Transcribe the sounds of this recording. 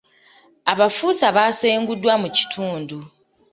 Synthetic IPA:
aβafuːsaβaseːŋɡudːwamuci̥tʰuːndu

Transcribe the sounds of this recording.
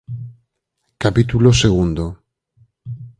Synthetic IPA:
kapit̪uloseɣund̪o

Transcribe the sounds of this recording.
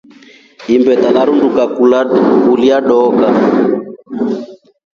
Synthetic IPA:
imbɛt̪alaɾunduka | kuliaɗɔka

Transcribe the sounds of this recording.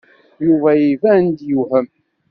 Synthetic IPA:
juvæjivænd̪juhəm

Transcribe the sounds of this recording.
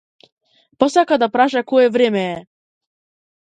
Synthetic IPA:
pɔsakad̪apɾaʃakoɛvɾɛmɛɛ

